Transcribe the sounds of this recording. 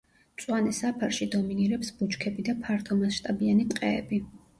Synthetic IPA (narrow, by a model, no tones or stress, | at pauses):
sʼwanɛsapʰaɾʃid̪ɔminiɾɛpsb̥ut͡ʃkʰɛbid̪apʰaɾt̪ʰɔmasʃt̪ʼabianit̪qʼɛːbi